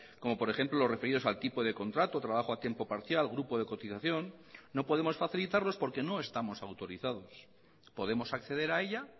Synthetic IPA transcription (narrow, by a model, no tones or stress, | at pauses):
ko̞mo̞po̞ɾe̞xe̞mplo̞lo̞zre̞fe̞ɾiðo̞salt̪ipoð̞e̞ko̞nt̪ɾat̪o̞t̪ɾaβaχo̞at̪je̞mpo̞paɾθjalɣɾupo̞ðe̞ko̞t̪iθaθjo̞nːo̞po̞ð̞e̞mo̞sfaθilit̪aɾlo̞spo̞ɾke̞no̞e̞st̪amo̞sawt̪o̞ɾiθað̞o̞s | po̞ðe̞mo̞sakθe̞ðe̞ɾae̞ʎa